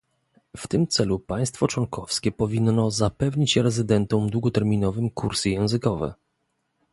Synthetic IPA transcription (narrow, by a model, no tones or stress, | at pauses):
ft̪ɘmt̪sɛlupaj̃st̪fɔt͡ʂwɔŋkʰɔfskʲɛpɔvʲinːɔzapɛvɲit͡ɕɛɾɛzɘd̪ɛnt̪ɔ̃m̃d̪wuɡɔt̪ɛɾmʲinɔvɘmkuɾsɘjɛ̃w̃zɘkɔvɛ̰